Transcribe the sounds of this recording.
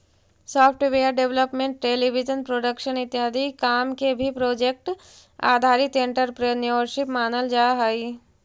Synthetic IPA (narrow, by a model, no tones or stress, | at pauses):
sɔːpʰʈʋeːəɾɖeʋləpmẽɳʈ̚ʈeːliʋid͡ʒənpɾoːɖəkʃənɪt̪jɦaːd̪ʱikaːmkebʱipɾoːd͡ʒek̚ʈ | a̰ːd̪ʱaːɾɪt̪ẽɳʈəɾpɾenjəəːɾʃɪpmaːnəld͡ʒaːɦai